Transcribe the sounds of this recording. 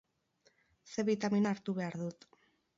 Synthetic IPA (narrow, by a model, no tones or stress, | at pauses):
se̞βit̪aminaːɾt̪uβe̞aɾðut̪